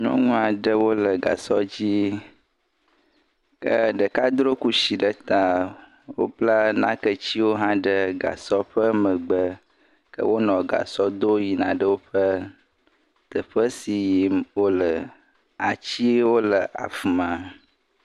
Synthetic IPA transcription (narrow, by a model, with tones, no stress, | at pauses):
ɲɔ̰̃˦ŋũ˦a˨ɖə˦wo˦lə˨ɡa̰˨sɔ˦d͡ʑi˦ | kə̰˦ɖə˨ka˦d̪ɾo˦ku˦ʃi˨ɖə˦t̪a˨ | wo̰˦bla˦nã˦kə˦t͡ɕi˦wo˦ɦã˦ɖə˦ɡa̰˨sɔ˦ɸə˦mə̃˨ɡ͡bə˦ | kə̰˦wo˦nɔ̃˨ɡa̰˨sɔ˦d̪o˦ji˨nã̰˨ɖə˦wo˦ɸə˦ | t̪ə˨ɸə˦si˨ji˨mwo˦lə˨ | a˨t͡ɕi˦wo˦lə˨ʔa̰˨fu˨mã˨